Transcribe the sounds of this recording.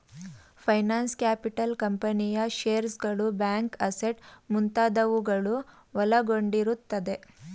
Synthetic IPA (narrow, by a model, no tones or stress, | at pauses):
pʰɐjnaːnskjaːpiʈɐlkɐmpɐnijɐʃeːɾsɡɐɭubaːŋkɐseʈmunt̪aːd̪ɐʋuɡɐɭu | ʋɐlɐɡo̞ɳɖiɾut̪ːɐd̪e̞